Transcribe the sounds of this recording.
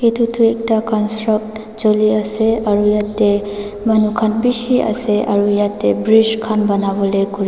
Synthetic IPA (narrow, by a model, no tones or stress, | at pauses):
etʰutʰuek̚takɔnstɾɔk̚t | d͡ʒoliaseaɾujatːe | mɐnukʰanbisia̰seʔa̰ɾujatːebɾiskʰanbɐnabɔlekuɾi